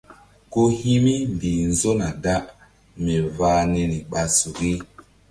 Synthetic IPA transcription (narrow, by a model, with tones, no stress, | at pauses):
ko˦hi˦mi˦m˨bi˨n̩˦zo˦na˨da˦ʔ | mɛ˨vaː˨˦nɛ˨ni˨ɓa˨su˨ɡi˦